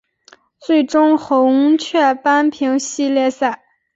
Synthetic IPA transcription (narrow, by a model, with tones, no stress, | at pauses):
t͡swe˥˩ɪʈ͡ʂʊ˥ŋxo˧˥ʊu˥ŋt͡ɕʰɥɛ˥˧pa˥npʰi˧˥ŋɕi˥˧ljɛ˥˧sa˥˩ɪ